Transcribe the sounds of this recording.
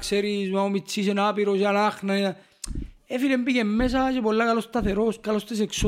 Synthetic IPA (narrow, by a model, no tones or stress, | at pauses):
kseɾizmaomit͡sːisenaːpiɾosalaχnaa | efilembikemːes̬aʃebolːakalost̪aθeɾoskalost̪es̬eks